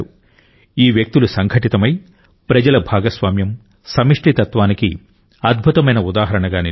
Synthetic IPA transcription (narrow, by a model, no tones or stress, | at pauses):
u | iːʋjɐk̚t̪ilusɐŋɡʱɐʈit̪ɐmɐj | pɾɐd͡ʒɐlɐbʱaːɡɐsʋaːmjɐm | sɐmiʂʈit̪ɐt̪ʋaːniki | ɐd̪̚bʱut̪ɐmɐjnɐud̪aːɦɐɾɐɳɐɡaːni